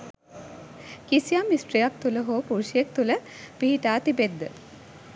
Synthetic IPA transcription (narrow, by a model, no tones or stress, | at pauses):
kisijamːisʈɾijak̚t̪uləɦoːpuɾʃijek̚t̪ulə | piɦiʈaːt̪ibed̪ːə